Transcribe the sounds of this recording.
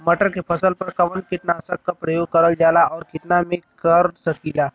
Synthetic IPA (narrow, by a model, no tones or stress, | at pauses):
mɐʈəɾkepʰɐsəlpɐɾkɐʋənkɪʈ̪nasək̚kapɾɐjoːɡ̚kɐɾəld͡ʒaːlaɔːɾkɪʈ̪namẽkəɾsɐkiːlaː